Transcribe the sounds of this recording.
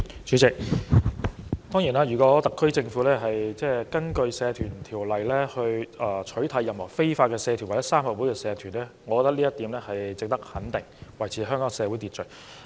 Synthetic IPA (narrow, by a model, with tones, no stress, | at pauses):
t͡ʃʰyː˨˧˥t͡sɪ˨k̚ | t̪ɔː˥ŋjiː˨˩naː˧jyː˨˩kɔː˨˥t̪ɐ˨kʰːɵ˥ɥt͡sɪ˧ŋfu˨˥lɛː˥ɦɐ˨jt͡sɛː˥˩kɐ˥nkɵ˧ɥsɛː˨˧t̪ʰyː˨˩nt̪ʰiː˨˩wlɐ˨jlɛː˥hɵ˧ɥɛː˨˩t͡ʃʰɵ˨˥ɥt̪ʰɐ˨˧˥jːɐ˨mhɔ̰˨˩wfe˥jfaː˧t̚kɛː˧sɛː˨˧t̪ʰy˨˩wɐ˨˩jɐ˥saː˥mhɐ˨˩wuː˨˥jkɛː˧sɛː˧t̪ʰyː˨˩nɛː˥ŋɔ˨˧kɔː˧˥t̪ɐ˥liː˥jɐ˥t̪iː˨˥mlɛː˥hɐ˨jt͡sɪ˨k̚t̪ɐ˥k̚hɐ˨˥nt̪ɪ˨˩ŋwɐ˨˩jt͡sʰi˧˥˩ɦœː˥ŋkɔː˨˥ŋsɛː˨˧wu˨˥jt̪iː˨t̚t͡ʃɵ˨˩